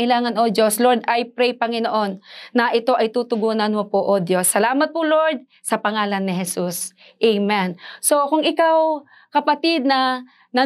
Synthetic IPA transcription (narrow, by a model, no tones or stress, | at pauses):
ɪlaːŋɐnʔod̪jo̞sloɹd̪ɐjpɾɛjpɐŋɪnoʔo̞nːɐʔɪt̪o̞ʔɐjt̪uːt̪ʊɡuːnɐnmopoʔod̪josːɐlaːmɐt̪̚pʊloɹd̪̚ | sɐpɐŋaːlɐnːɪɦɛsus | ʔɛjmɛnso̞kʊŋʔɪkaw | kɐpɐt̪ɪd̪̚nɐ | nɐ